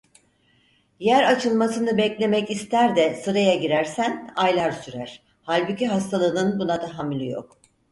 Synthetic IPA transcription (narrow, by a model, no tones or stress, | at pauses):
jæɾat͡ʃʰɯlˠmasɯnɯbɛclʲe̞mɛcist̪ʰæɾd̪ɛsɯɾajaɟiɾæɾsænajlˠaɾsyɾæɾ̥ | halʲbuciɦast̪ʰalˠɯnɯnɯbunad̪aɦamlʲijo̰k̚